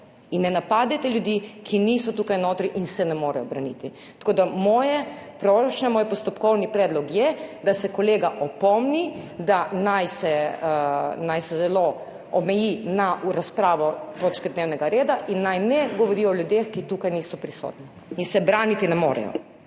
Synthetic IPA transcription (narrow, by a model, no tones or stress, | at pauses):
inːɛnapaːd̪ɛt̪ɛljud̪ikʰiniːsɔt̪uːkajnoːt̪ɾiʔinsɛnɛmoːɾɛjɔbɾanḭt̪i | t̪ɐ̥koːd̪amɔːjɛpɾoːʃɲɛmoːjpɔst̪ɔpkɔwnipɾɛːd̪lɔkjɛd̪asɛkɔleːɡaʔɔpɔmnid̪anajsɛ | najsɛzɛlo | ɔmɛjinaɾaspɾaːʋɔt̪oːt͡ʃkɛd̪neːwnɛɡaɾeːd̪aʔinːajnɛɡɔʋɔɾiːɔljud̪exkit̪uːkajniːsɔpɾiso̰ːt̪ni | insɛbɾaːnit̪inɛmo̰ːɾɛ̰jɔ̰